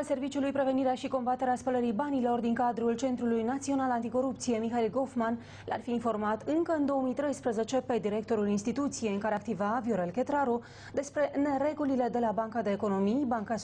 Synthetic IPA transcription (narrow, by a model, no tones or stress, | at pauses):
se̞rvit͡ʃulujpɾe̞ve̞niɾeaʃiko̞mbat̪e̞ɾeaspələɾibanilo̞rd̪iŋkad̪ɾult͡ʃe̞nt̪ɾulujnat̪sio̞nalant̪iko̞ɾupt̪sije̞mixailɡo̞fman | la̰rfiːnfo̞rmat̪ɨŋkəɨnd̪o̞omijt̪ɾe̞jspɾəze̞t͡ʃe̞pe̞d̪iɾe̞k̚t̪o̞ɾulinst̪it̪ut̪sije̞jɨŋkaɾeak̚t̪ivavjoɾe̞lke̞t̪ɾaɾo | d̪e̞spɾe̞ne̞ɾe̞ɡulile̞d̪e̞labaŋkad̪e̞ːko̞no̞mijbaŋka